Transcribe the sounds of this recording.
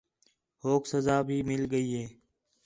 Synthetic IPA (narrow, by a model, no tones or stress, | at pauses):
hoːksəzaːbʱiːmɪlɡəiːɦeː